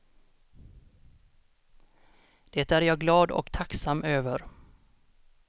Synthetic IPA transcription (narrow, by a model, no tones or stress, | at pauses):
d̪̥eːt̪æɾjɑːɡlɑːd̪ɔ̰kt̪ʰaksamːøːvəɾ